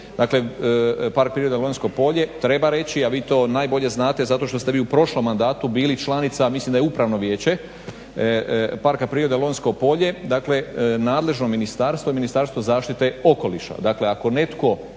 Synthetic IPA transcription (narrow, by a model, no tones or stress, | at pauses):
d̪akle̞paɾk̚pɾiɾod̪elonʲsko̞po̞ʎe̞t̪ɾe̞baɾe̞t͡ɕiaʋiːt̪o̞ːnaːjbo̞ʎe̞znaːt̪e̞zat̪o̞ʃt̪ost̪e̞ʋiːupɾo̞ʃlo̞mːand̪aːt̪ubiːlit͡ʃlˠanit̪samislimd̪ajupɾaʋno̞ʋjeːt͡ɕe̞ | paɾkapɾiːɾod̪elo̞nsko̞po̞ʎe̞d̪akle̞naːd̪le̞ʒnominist̪aːɾst̪ʋoiminist̪aɾst̪ʋozaːʃt̪it̪e̞o̞ko̞liʃa̰d̪akle̞ako̞ne̞t̪ko̞